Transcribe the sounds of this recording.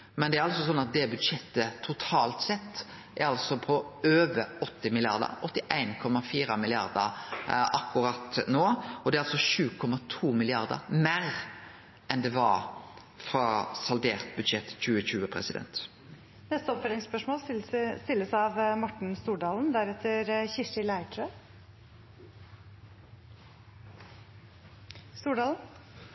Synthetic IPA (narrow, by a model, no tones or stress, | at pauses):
mɛnd̪ɛæɾɑlsɔsɔnːɑt̪̚d̪ɛbʉd̪ʂɛt̪ːət̪ʰʊt̪ʰɑːlt̪sɛt̪ː | æɾɑlsɔpʰɔøːʋəɾɔt̪ːɪmɪlɪɑ̰ɾd̪ə̰ɾɔt̪ːɪʔæɪnkʰɔmɑfiːɾɑmɪlɪɑɾd̪əɾʔɑkːʊɾɑt̪noːɔd̪ɛæɾɑlsɔɕʉːkʰɔmɑt̪ʰuːmɪlɪɑɾd̪ə̰ɾmæɾ | ɛnd̪ɛʋɑɾ | fɾɑsɑld̪eːʁt̪̚bʉd̪ʃɛt̪ːc͡çʉːəɕʉːəpʰʁɛsɪd̪ɛ̰nt̪ | nɛst̪əɔpfœɾɪŋspœʂmoːlst̪ɪlːəsɑʋmɔʈɳ̩st̪uːɖɑːln̩d̪æɾɛt̪ʰːəɾçɪʂɪlæɪʈʰɾø | st̪uːɖɑːln̩